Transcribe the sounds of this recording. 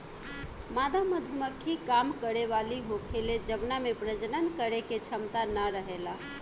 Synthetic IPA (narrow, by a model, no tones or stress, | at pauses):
mad̪aməd̪ʱuməkʰːikamkəɾeʋaliɦokʰeled͡ʒəbnamepɾəd͡ʒnənkəɾeket͡ʃʰəmt̪anəɾəɦela